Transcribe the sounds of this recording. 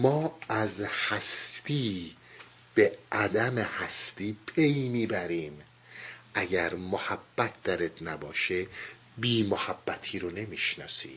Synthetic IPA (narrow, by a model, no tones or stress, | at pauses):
mɒːæzhæst̪iː | b̥eʔæd̪æmehæst̪iːpʰe̞jmiːbæɾiːm | ʔæɡæɾmohæbːæt̪̚ʰd̪æɾet̪ʰnæbɒːʃe | biːmohæbːæt̪ʰiːɾone̞miːʃnɒ̰ːsḭː